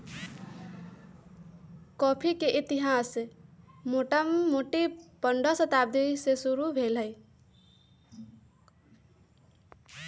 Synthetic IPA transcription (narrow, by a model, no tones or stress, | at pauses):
kɔpʰikeʔit̪iɦas | moʈəmmoʈipəɳɖəsət̪ab̚d̪isesuɾubʱelɦəɪ